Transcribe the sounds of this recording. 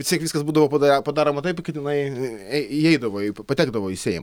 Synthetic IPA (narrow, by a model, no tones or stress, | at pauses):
ʋʲɪstʲiɛkʋʲiskɐsbuːd̪ɐʋoːpɐd̪ɐpɐd̪ɑːɾoːmɐt̪ɐɪpkɐt̪ɪnɐɪɛɪiɛɪd̪ɐʋoːɪppɐt̪ʲæːɡd̪ɐʋoːɪsʲeːjɪ̰mɐ